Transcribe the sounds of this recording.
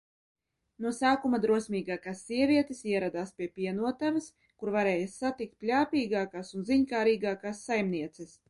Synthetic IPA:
nuɔsaːkumad̪ɾuɔsʲmʲiːɡaːkasːiɛvʲiɛt̪esiɛɾad̪aːspʲiɛpʲiɛnuɔt̪avɐs | kuɾvaɾɛːjasːat̪ik̚t̪̚pʲlʲaːpʲiːɡaːkaːsunziɲkaːɾiːɡaːkaːsːajmnʲiɛt̪sɛs

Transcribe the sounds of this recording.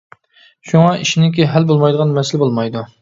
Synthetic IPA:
ʃuŋɑiʃinɪkʲiɦɛlbolˠmɑjd̪əʁɑnmɛsɪlɪbolˠmɑjd̪u

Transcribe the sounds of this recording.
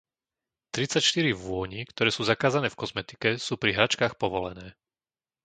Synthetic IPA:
t̪ɾit͡sacʃt̪iɾiʋʊɔɲikt̪ɔɾɛːsuːzakaːzanɛːfkɔzmɛt̪i̥kɛsuːpɾiɦɾat͡ʃkaːxpɔʋɔlɛ̰nɛː

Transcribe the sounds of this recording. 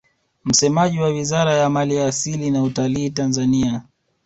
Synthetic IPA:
m̩sɛmaʄiwawizaɾajamaliaːsilinautaliːtanzania

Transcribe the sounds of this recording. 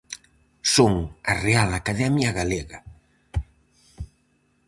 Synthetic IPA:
soŋarealakaðɛmjaɣaleɣa

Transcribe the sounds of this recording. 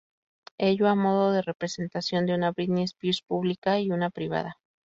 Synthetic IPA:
eʝoamo̞ðo̞ðe̞re̞pɾese̞nt̪asjo̞nd̪eunaβiðnespispuβlikaiunapɾiβ̞a̰ða

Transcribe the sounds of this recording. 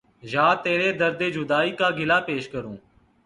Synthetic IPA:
ʒaːt̪eːɾeːd̪əɾd̪eːd͡ʒʊd̪aːiːkaːɡɪlaːpeːʃkəɾũː

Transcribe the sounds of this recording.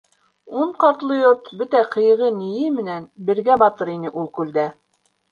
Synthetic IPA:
uɴqɑɾt̪lˠɤjoɾt̪bɵt̪æqʰɤ̆jɤ̆ʁɤnijɘmɘ̆nænbɘ̆ɾɡæbɑt̪ɤɾinɘʔulˠkʉld̪æ

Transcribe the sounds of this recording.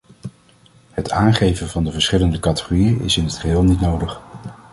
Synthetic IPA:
ɦətʰaːnχejvənvɑndəvəɹsχɪləndəkɑtə̥χorijənɪ̰sɪnɦətχəɦɪːlˠnitnowdəχ

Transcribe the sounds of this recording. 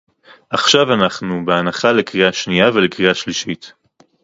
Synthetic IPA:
ʔaχʃavanaχnubeanaχalekʁiaʃnijavelekʁiaʃliʃit̪

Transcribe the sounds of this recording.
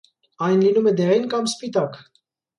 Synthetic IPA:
ɑjnlinumɛd̪ɛɾinkɑmspit̪ɑk

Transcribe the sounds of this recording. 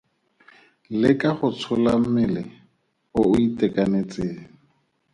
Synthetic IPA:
lɪkʼaχʊt͡sʰʊlamɪlɪ | ʊʊitʼɛkʼanet͡sʼeːŋ̩

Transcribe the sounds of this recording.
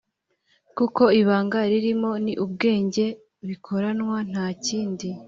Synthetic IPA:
kuko̞iβaːŋɡaɾiɾimo̞niʔub̚ɡe̞ːɲɟe̞ | βikʰo̞ɾanwan̥haːciːndi

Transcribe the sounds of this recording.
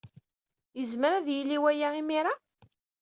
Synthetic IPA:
jəzmɾæðjilːiwæjaimiɾa

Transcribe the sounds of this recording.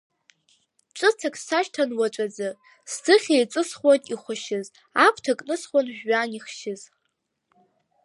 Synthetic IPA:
ʈ͡ʂʷʼɨt͡sʰakʼsaʃtʰanwat͡ʃʷʼad͡zɨ | stʰɨχʲejt͡sʷʼɨsχwaniχʷʊʃɪz | apʷʰtʰakʼnɨsχʷanħɥaniχʃɪz

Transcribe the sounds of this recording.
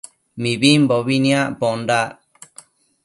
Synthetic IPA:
mĩβimboβinĩãʔponda

